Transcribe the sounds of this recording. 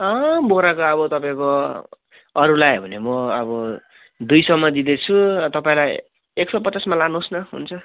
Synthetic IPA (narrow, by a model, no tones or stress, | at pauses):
ʌboɾakoʌbʌt̪ʌpaĩko | ʌɾulajbʱʌnemʌʌbʌ | d̪ujsʌmːʌd̪id̪et͡sʰut̪ʌpaĩlaj | eksʌpʌt͡sasmalanusnʌɦṵnt͡sʰʌ